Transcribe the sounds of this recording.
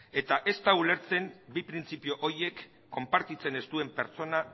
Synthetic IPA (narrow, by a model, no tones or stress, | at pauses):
e̞t̪aʔe̞st̪aule̞ɾt͡se̞mbipɾint͡sipio̞ʔoɾje̞kː | o̞mpaɾt̪it͡se̞ne̞st̪ue̞mpe̞ɾt͡so̞na